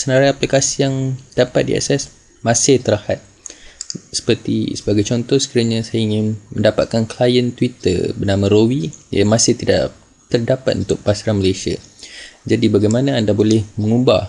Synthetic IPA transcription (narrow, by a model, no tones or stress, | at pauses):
sənaɾajaplikasijaŋd̥apat̪̚dḭa̰sɛs | mãsɪht̪əɾahat̪̚ | sə̥pərt̪ḭsəbaɡajt͡ʃɔnt̪ɔhsə̥kiɾaɲãsajaiŋɪnməndapat̪̚kanklajənt̪wit̪ə̰rbənãmãɾowija̰mãsɪht̪ida̰ʔʔ | t̪ərdapat̪ʔṵnt̪ʊk̚pasaɾanməlesia̰d͡ʒadibaɡajmanãːndabolɛhmə̃ŋuba